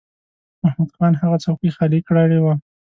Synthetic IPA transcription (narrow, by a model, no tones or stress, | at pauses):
mahmad̪xɑnhaɣat͡sawkixalikɽəɽewa